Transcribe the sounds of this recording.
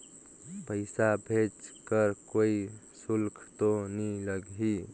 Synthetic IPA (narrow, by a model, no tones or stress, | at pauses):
pəɪsabʱet͡ʃkəɾkoi | sulkʰt̪oniləɡɦi